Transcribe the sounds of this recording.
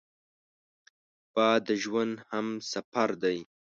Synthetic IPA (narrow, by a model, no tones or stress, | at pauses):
b̥ɑd̪əʒwand̪hamsafaɾd̪aj